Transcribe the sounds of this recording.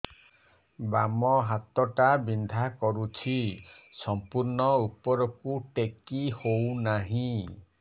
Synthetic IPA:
bamɔɦat̪ɔʈabind̪ʱakɔɾut͡ʃʰi | sɔmpuɾnɔupɔɾɔkuʈekihownaɦĩ

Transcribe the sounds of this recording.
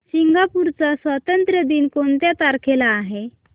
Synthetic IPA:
siŋɡapuɾt͡sasʋət̪ənt̪ɾəd̪iːnkont̪jat̪aɾkʰelaːɦe

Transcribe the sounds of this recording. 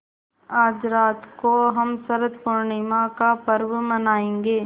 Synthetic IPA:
aːd͡ʒɾaːt̪koɦɐmsɐɾət̪pʊɾɳimãkapɐɾʋmɐnaːẽːŋɡeː

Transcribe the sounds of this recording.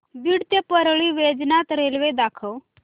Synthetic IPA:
b̪iɽt̪jepəɾɭiːʋed͡znat̪ɾelʋed̪akʰəw

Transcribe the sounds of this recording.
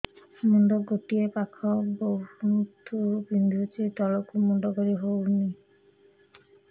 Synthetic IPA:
mundɔɡoʈiepakʰɔbowhunt̪ʰubind̪ʱutitɔlɔkumundɔɡɔɹiɦowni

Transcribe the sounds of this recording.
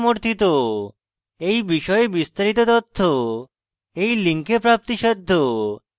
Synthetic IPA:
moɾt̪ʰit̪o | ejbiʃɔebist̪aɾit̪ot̪ɔt̪ʰːo | ejliŋkepɾap̚t̪iʃɔd̪ʱːo

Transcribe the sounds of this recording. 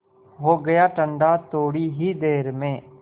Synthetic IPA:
ɦoːɡəjaːʈə̃ɳɖat̪oːɽiɦid̪eːɾmẽː

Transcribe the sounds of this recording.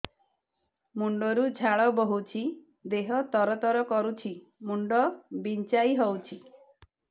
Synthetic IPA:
muɳɖɔɾud͡ʒʱaɭɔbɔɦut͡ʃʰi | d̪eɦɔt̪ɔɾɔt̪ɔɾɔkɔɾut͡ʃʰi | muɳɖɔbint͡ʃajɦɔwt͡ʃʰi

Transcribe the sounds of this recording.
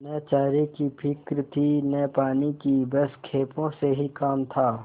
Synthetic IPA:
nɛːt͡ʃaːɾikipʰɪkɾt̪ʰinɛːpaːnikibəskʰeːpõseɦikaːmt̪ʰaː

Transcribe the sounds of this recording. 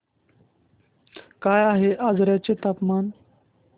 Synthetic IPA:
kaːjaɦeʔad͡zɾjat͡set̪apmaːn

